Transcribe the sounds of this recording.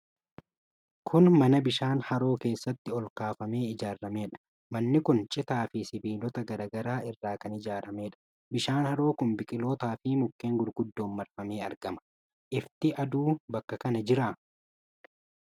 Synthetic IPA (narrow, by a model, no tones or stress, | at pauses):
kʰʊnmɐnɐbɪʃaːnhɐɾo̞ːke̞ːsːɐt̪ːɪɔlkaːfɐme̞ːɪd͡ʒaːɾːɐme̞ːᶑɐ̥ | mɐnːɪkʊnt͡ʃʼɪt̪aːfɪsɪbiːlɔt̪ɐɡɐɾɐːɡɐɾaːʔɪrːaːkɐnɪd͡ʒaːɾɐme̞ːᶑɐ̥ | bɪʃaːnhɐɾo̞ːkʊnbɪkʼɪlo̞ːt̪aːfɪmʊkːe̞ːŋɡʊɾɡʊd̪ːo̞ːnːɐɾfɐme̞ːɐ̰ɾɡ̥ɐmɐ̥ | ʔɪft̪ɪʔɐd̪uːbɐkːɐkɐnɐd͡ʒɪɾaː